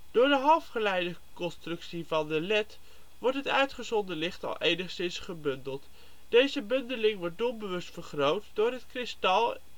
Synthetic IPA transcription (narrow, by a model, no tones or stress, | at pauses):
d̥ʊːɹdəɦɑlˠfχəlɛjdə | kɔnstrɵksivɑndəlɛt | ʋɔɹtɦətœɥtχəzɔndəlɪχtɑ̰lˠʔejnəχsɪnsχəbɵndəlˠt | d̥ejzəbɵndəlɪŋʋɔɹt̚dɔmbəʋɵstfəɹχrowtdʊːɹətkrɪstɑlˠ